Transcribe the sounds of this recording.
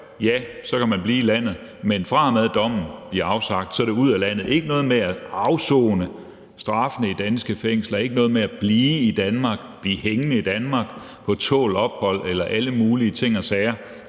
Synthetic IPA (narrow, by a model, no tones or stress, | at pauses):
jæsɒ̽kʰæmænb̥liːilæn̰ð̞̩ˠmenfʁɑ̈mæðˠd̥ɒ̽m̰n̩b̥liɐɑ̈ʊsɑ̈ɡ̥d̥sɒ̽dɾe̝uð̞̰ˠælæn̰ð̩ˠe̝ɡ̥ənɔ̽ːð̞̩ˠmeæɑ̈ʊsɔ̰ːnə | sd̥ʁɑ̈fənəid̥ænsɡ̥əfeŋ̰slɐe̝ɡ̥ənɔ̽ːð̩ˠmeæb̥liːid̥ænmɑ̈ːɡ̥b̥liheŋnəid̥ænmɑ̈ːɡ̥ | pʰɒ̽t͡sʰɔ̰ːlɒ̽b̥̚hɒ̽l̰elɐʔæləmuːliət͡sʰe̝ŋ̰ɒsɛːɐ